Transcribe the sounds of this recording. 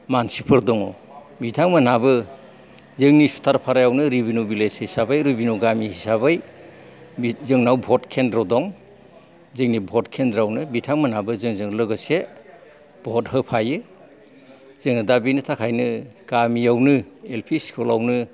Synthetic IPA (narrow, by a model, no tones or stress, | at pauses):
mansipʰɯɾdɔŋɔ | bitʰaŋmanabɯ | zɯŋnisu̥tʰaɾpʰaɾajawnɯɾibinubileshisabajɾubinuɡamihisabaj | zɯŋnawbʱɔtkʰendɾɔdɔŋ | zɯŋnibʱɔtkʰendɾawnɯbitʰaŋmanabɯzɯŋzɯŋlɯɡɯse | b̥ʱɔt̚ɦɯpʰajɯ | z̥ɯŋɯdabinɯtʰakʰajnɯɡ̥amiawnɯelpʰiskʰɔlawnɯ